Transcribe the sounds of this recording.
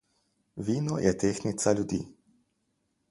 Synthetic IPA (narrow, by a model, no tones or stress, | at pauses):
ʋiːnɔjʔɛt̪eːxnit̪salʲjud̪ḭː